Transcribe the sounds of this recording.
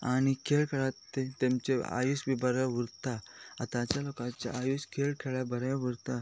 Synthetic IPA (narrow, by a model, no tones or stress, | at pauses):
añikʰeɭkʰeɭat̪ːet̪emt͡ɕea̰jusbʱibəɾaʋuɾt̪aat̪ãt͡ɕalokãt͡ɕa̰ʔajuskʰelkʰeɭabəɾaʋuɾt̪a